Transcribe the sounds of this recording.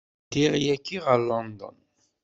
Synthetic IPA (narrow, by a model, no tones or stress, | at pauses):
t̪iʁjækːiʁalɔnd̪ɔ̰n